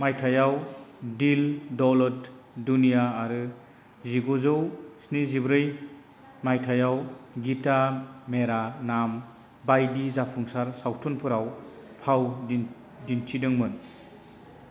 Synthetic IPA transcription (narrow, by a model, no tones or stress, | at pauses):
majtʰajawdildɔlɔt | dunijaːɾɯ | ziɡɔzɯwsnizibɾɯj | majtʰajawɡitameɾanam | bajdizapʰuŋsaɾsawtʰɔnpʰɯɾaw | pʰaw | dintʰidɯŋmɯn